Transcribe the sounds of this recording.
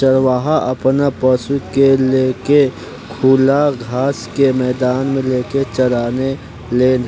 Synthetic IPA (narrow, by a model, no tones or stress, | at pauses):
əɾwaːɦaʔɐpnapəsukeleːke | kʰuːlaɡʱaːskemɛːd̪aːnmẽleːket͡ʃɐɾaːne | leːn